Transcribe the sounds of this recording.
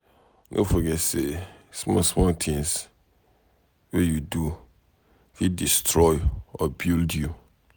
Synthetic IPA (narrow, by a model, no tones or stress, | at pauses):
nʔo̰foɡɛsesmɔ̰smɔtʰɪ̃ŋs | wɛjudu | fidistʰɾɔjɔbildju